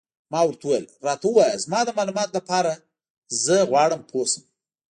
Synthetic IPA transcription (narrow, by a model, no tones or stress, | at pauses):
mɑwaɾt̪wəwajlɾɑt̪awəwɑjəzmɑd̪əmɑlumɑt̪lapɑɾa | zəɣwɑɽəmpʰosəm